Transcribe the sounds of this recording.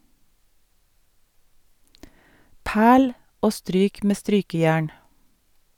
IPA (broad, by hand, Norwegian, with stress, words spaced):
ˈpæːɭ ˈoː ˈstɾyːk ˈmeː ˈstɾyːkəˌjæːɳ